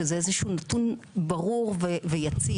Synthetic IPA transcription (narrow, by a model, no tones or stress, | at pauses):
ezeezeʃuunatunbaʁuʁvevejat͡si